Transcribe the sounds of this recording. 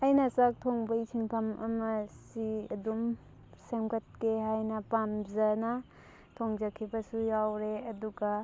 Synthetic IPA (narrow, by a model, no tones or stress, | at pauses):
ɐjnɐsak̚tʰoŋbɐjsʰinpʰɐmɐ̰mɐsiɐdum | semkɐt̚keɦajnɐpamzɐnɐ | tʰoŋzɐkʰːibɐsujawɾeɐduɡa